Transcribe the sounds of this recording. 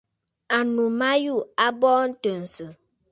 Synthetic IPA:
a˨nu˨ma˦ju˦˨a˦bɔ˦n̩˦tə˨n̩˨sɨ˨

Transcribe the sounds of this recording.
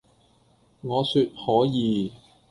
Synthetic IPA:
ŋɔː˨˧syː˧t̚hɔː˨˥jiː˨˧

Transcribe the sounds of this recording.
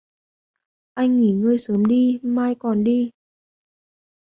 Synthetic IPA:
ʔa˧jŋ̟ŋi˧˩ŋɨ˧əjsəː˨˦mɗi˧maː˧jkɔ˨˩nɗi˧

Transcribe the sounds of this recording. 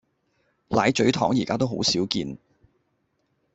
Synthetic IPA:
laː˨˥jt͡ʃɵ˨˥ɥt̪ʰɔ̰ː˨˥ŋjiː˨˩kaː˥t̪o˥wɦo˨˥wsiː˨˥wkiː˧n

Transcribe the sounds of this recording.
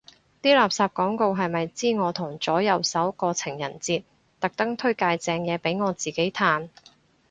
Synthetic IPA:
t̪iː˥laː˨p̚saː˧p̚kɔː˨˥ŋko˧wɦɐ˨jmɐ˨jt͡siː˥ŋɔː˨˧t̪ʰʊ˨˩ŋt͡sɔː˨˥jɐ˨˧wsɐ˨˥wkɔː˧t͡sʰɪ˨˩ŋjɐ˨˩nt͡siː˧t̪̚ | t̪ɐ˨k̚t̪ɐ˥ŋt̪ʰɵ˥ɥkaː˧jt͡sɛː˨˧ŋjɛː˨˧pe˨˥jŋɔː˨˧t͡siː˨˩ke˨˥jt̪ʰaː˧n

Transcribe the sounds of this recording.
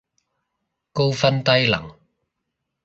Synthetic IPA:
ko˥wfɐ˥nt̪ɐ˥jlɐ̰˨˩ŋ

